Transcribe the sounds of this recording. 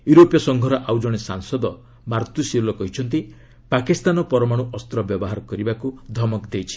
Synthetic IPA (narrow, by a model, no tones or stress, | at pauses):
juɾopjɔsɔŋɡʱɔɾɔʔawd͡ʒɔɽ̃esaŋsɔd̪ɔ | maɾt̪usilɔkɔɦit͡ʃʰɔnt̪̬i | pakist̪anɔpɔɾɔmaɽ̃uʔɔst̪ɾɔbjɔbɔɦaɾɔkɔɾibakud̪ʱɔmɔkd̪ejt͡ʃʰi̥